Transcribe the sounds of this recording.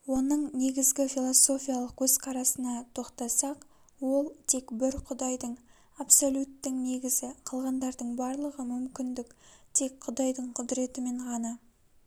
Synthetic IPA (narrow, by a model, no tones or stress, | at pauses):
wo̞nəɴne̞ɡʲɪzɡʲɪfʲilˠo̞so̞fʲijalˠəq̚kʰʲɵzqʰɑɾɑsənɑt̪ʰo̞qt̪ɑsɑq | wo̞lˠt̪ʰe̞kbɪɾqʰʊd̪ɑjd̪əɴ | apso̞lʲut̪ːɪŋne̞ɡʲɪzɪqʰəlˠʁɑnd̪ɑɾd̪əɴbɑɾlˠəʁəmʏmkʲɪnd̪ɪkt̪ʰe̞kqʰʊd̪ɑjd̪əɴqʰʊd̪ɾe̞t̪ɪme̞ɴʁɑnɑ